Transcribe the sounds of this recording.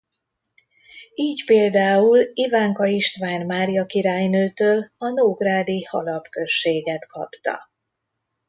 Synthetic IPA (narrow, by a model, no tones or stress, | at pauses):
iːcpeːld̪aːulivaːŋkɒiʃt̪ʋaːnmaːɾijɒkiɾaːjnøːt̪øːlɒnoːɡraːd̪ihɒ̰lɒpkø̞ʃːeːɡɛt̪kʰɒ̰pt̪ɒ̰